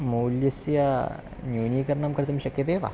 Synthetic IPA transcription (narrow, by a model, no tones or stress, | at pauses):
muːljɐsjɐ | njuːniːkɐɾnɐmkɐɾt̪ɐmʃɐkjɐd̪eːʋɐ̰